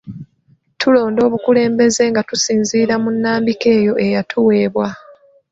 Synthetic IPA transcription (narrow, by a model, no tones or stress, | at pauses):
tʰulo̞ːndo̞ːβukule̞ːmbe̞ze̞ŋɡatusiːnziːɾamunːaːmbike̞ːjo̞ʔe̞jatʰuwe̞ːβwa